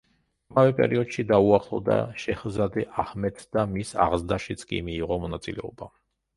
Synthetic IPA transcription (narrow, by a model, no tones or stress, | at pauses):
amavɛpʼɛ̰ɾiɔd̪̥ʃid̪auaχlˠɔvd̪a̰ʃɛχzad̪ɛʔahmɛt̪ʰd̪amisa̰ʁzd̪aʃit̪sʰʼkʼḭmiːʁɔmɔnat̪sʼilɛɔba